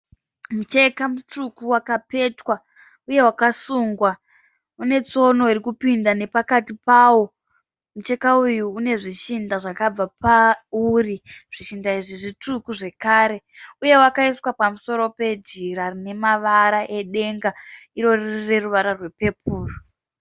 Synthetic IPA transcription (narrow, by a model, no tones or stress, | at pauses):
mut͡ʃe̞kamut͡ʂukuwakape̞twa | uje̞wakasuːŋɡwa | une̞t͡so̞no̞irikupindane̞pakatipaːwo̞ | mut͡ʃe̞kaujuːne̞ʐiʃindaʐakab͡vapauriʐ̥iʃindaiʐiʐitukuʐe̞kaːɾe̞ | uje̞wakaiswapamuso̞ɾo̞pe̞d͡ʒiɾarine̞maʋaɾaʔe̞ɗe̞ŋɡaiɾo̞ririre̞ruʋaɾarwe̞pe̞puːro